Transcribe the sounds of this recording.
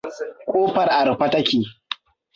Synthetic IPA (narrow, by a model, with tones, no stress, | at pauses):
kʷʼoː˦ɸɐ˨rʔa˨ɾɸɐ˦tɐ˦kʲiː˨